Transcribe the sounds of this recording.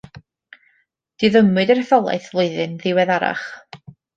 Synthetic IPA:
d̥iðəmwɨdəɾɛθɔlˠa̰jθvlˠoɨðɨnðɪwɛðaɾa̰χ

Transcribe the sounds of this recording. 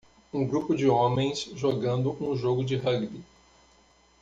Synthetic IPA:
ũɡɾupʊd͡ʒɪõmẽj̃sʒoɡɐ̃nd̪ʊʔũʒoɡʊd͡ʒɪɦɐɡbi

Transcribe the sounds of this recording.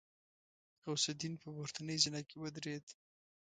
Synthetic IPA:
awsad̪inpəboɾt̪anəjzɪnakewəd̪ɾed̪

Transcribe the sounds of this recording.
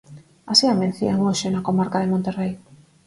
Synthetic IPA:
asiamẽn̟θḭaŋoʃenakomaɾkaðemõnt̪erej

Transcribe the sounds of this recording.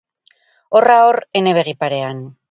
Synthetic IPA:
o̞raore̞ne̞βe̞ɣ̞ipaɾe̞an

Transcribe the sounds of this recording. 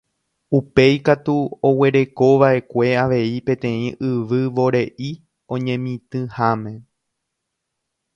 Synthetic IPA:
upe̞jkat̪uowe̞ɾe̞ko̞ʋaʔe̞kʷe̞aʋe̞ipẽ̞t̪ẽ̞ĩʔɨʋɨʋo̞ɾe̞ʔi | õ̞ɲẽ̞mĩt̪ɨ̃hamẽ̞

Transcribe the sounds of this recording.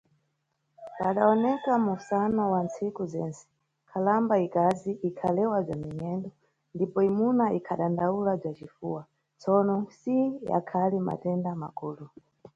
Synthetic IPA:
paɗaɔnɛkamusanɔwant͡sikuzɛnt͡sɛ̥ | kʰalambaikaziʔikʰalɛwab͡ʐamiɲɛndɔ | ndipɔimunaikʰaɗandaulab͡ʐat͡ʃifuwa | t͡sɔnɔsija̰kʰalima̰tɛndamakuːlu

